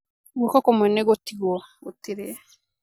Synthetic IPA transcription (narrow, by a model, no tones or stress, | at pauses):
ɡokɔkɔmwɛneɣotiɣɔɡotiɾe